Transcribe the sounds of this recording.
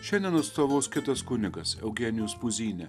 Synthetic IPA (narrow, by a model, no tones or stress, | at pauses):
ʃʲɛndʲɛnɐt̪st̪oːʋoːskʲɪt̪ɐskʊnʲɪɡɐsɛ̰ʊɡʲɛːnʲɪjoːspʊzʲiːnʲɛ